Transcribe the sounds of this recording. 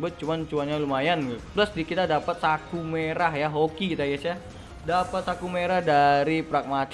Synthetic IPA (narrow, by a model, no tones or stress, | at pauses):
bʊt̪̚t͡ʃumant͡ʃuwaɲalumajanblasdikit̪adapat̪̚sakumeɾaɦjaɦokikit̪aiasa | dapat̪̚sakumeɾahdaɾipɾak̚mat͡ʃ